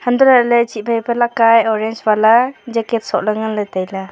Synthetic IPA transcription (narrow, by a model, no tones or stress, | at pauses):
handɔlalet͡ʃit̚bʰʱajpalakajɔɾent͡ʃbalad͡ʒeket̚sɔ̰ʔ̚laŋalatajla